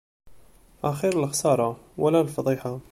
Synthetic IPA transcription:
ʔæxiɾəlxsˤɑːɾˤɑwəlalfɑd̪ˤiːħa

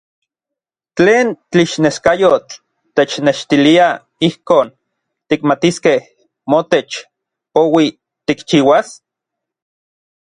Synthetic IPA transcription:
t͡ɬeːnt̪iʃneskajot͡ɬ | t̪et͡ʃneʃt̪ilia | ihkoːn | t̪ikmat̪iskeh | mot̪et͡ʃ | powi | t̪ikt͡ʃiːwas

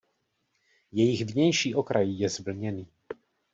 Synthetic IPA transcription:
jɛjɪɣvɲɛjʃiːʔokɾajijɛzbl̩ɲɛniː

